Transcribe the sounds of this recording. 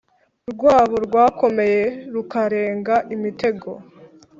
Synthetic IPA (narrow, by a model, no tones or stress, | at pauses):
ɾɡwaːβoɾɡwaːkʰo̞me̞je̞ɾukaɾe̞ːŋɡaʔimite̞ɡo̞̰